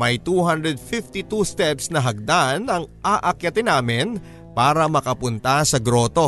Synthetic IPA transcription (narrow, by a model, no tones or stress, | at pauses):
mɐjt̪uːɦand̪ɾɛd̪̚fɪft̪it̪ust̪ɛpsnɐɦɐɡ̚d̪aʔnɐŋʔaʔɐkjɐt̪ɪnaːmɪn | paːɾɐmɐkɐpʊnt̪ɐsɐɡɾo̞ːt̪o̞